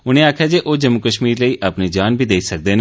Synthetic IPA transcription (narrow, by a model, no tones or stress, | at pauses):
ʊnẽːaːkʰjaːd͡ʒeːʔoːd͡ʒəmːukəʃmiːɾləiːʔaːpneːd͡ʒaːnbʱiːd̪eːsək̚d̪eːn